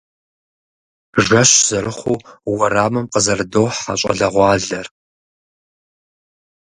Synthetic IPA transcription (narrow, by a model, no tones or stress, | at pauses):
ʐʒɐɕz̥ɐɾɨχʷuːwɐraːmɐmqəzɐrdowħa̰ɕʼɐ̰ɮɐʁʷɑːɮɐr